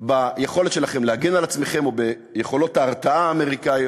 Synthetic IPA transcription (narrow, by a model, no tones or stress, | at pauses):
bajeχo̞letʃe̞laχemlehaɡenalat͡sme̞χe̞mo̞be | jeχo̞lo̞taːʁt͡saaːme̞ʁikai